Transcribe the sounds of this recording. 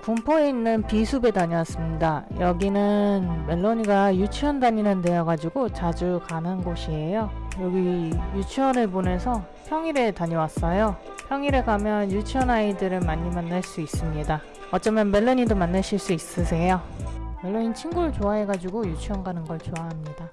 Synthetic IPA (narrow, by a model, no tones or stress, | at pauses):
pumpʰoeinːɯnpisʰube̞taɲiwas͈ɯmɲidajʌɡinɯnme̞ɭːoɲiɡajut͡ɕʰiʌndaɲinɯndejaɡad͡ʑiɡot͡ɕad͡ʑukanɯnɡoɕʰie̞jojʌɡijut͡ɕʰiʌnɯɭbone̞sʰʌ | pʰjʌŋiɾe̞taɲowas͈ʌjo | pjʌŋiɾe̞kamjʌnjut͡ɕʰiʌnaidɯɾɯɭmaɲːimanːaɭs͈uis͈ɯmɲida | ʌt͡ɕ͈ʌmjʌnme̞ɭːoɲidomanːaɕʰiɭs͈uis͈ɯsʰe̞jome̞ɭːoɲint͡ɕʰinɡuɾɯɭt͡ɕoaɦe̞ɡad͡ʑiɡojut͡ɕʰiʌnɡanɯnɡʌɭt͡ɕoaɦamɲida